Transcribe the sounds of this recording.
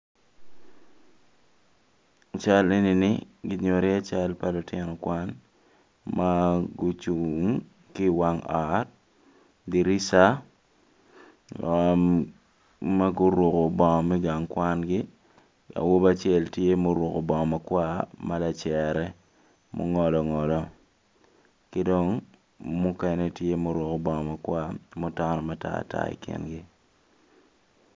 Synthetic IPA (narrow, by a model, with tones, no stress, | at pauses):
t͡ʃa˦le˦ni˨nɪ˦ɡɪ˨ɲo˨ɾɪ˦a˦t͡ʃa˦lpa˦lʊ˨tɛ˦nɔ˨kwa˦n | ma˦ɡo˦t͡ʃu˨ŋ | kɪ˦wa˦ŋa˨t | di˨ɾi˦sa˦ | ma˦ɡo˦ɾwo˨ko˨bɔ˨mɛ˦ɡa˨ŋkwa˦nɡɪ˦ | a̰˨wo˦ba˦t͡ʃɪ˦ɛ˦˨ltje˦mo˦ɾwo˨ko˨bɔ˨ɔ˨ma˨kwa˦ma˦la˨t͡ʃɛ˨ɾɛ˦ | mo̰˦ŋɔ˨lɔ˨ŋɔ˨lɔ˨ | kɪ˦do˦ŋ | mu˦kɛ˨ne˦tje˦mo˦ɾwo˨ko˨bɔ˨ŋɔ˨ma˨kwa˦mo˦ta˦nɔ˨ma˦ta̰˦˨ta̰˦ḭ˨kɪ̰˨nɡɪ˦